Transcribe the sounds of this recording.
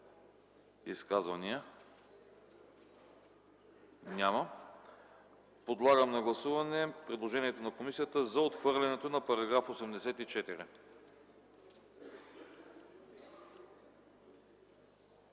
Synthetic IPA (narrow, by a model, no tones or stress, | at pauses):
iskazvɐnijə | nʲamɐ | pod̪lˠaɡəmnɐɡlˠɐsuvɐnɛpɾɛd̪lˠoʒɛniɛt̪onɐkomisijət̪əzɐot̪xvɤɾlʲɛnɛt̪onɐpɐɾɐɡɾafosɛmd̪ɛsɛt̪it͡ʃɛt̪iɾi